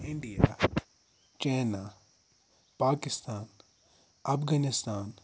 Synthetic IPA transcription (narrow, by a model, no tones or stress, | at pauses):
ɪ̃ɳɖija̰ | t͡ʃɛːna | paːkɪst̪aːn | ɐfɡanɪst̪aːn